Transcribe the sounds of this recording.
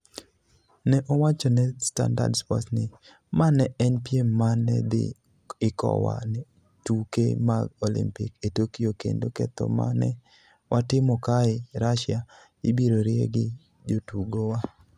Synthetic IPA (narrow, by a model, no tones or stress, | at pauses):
nɛʔowat͡ʃɔnɛsta̰nda̰dspɔ̰tnɪ | manɛɛnpiemanɛ̰d̪ɪ̰ | ɪkɔ̰wa̰nɛ | tukḛmaɡolḭmpɪ̰ketokijokḛndokɛt̪ɔ̰ma̰nɛ | wʔatɪmɔkaɪɾaʃɪa | ɪbiɾoɾɪeɡɪ | d͡ʒotuɡowa